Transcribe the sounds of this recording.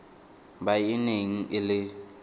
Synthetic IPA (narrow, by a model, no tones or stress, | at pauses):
bajineŋ̩ʔɪlɪ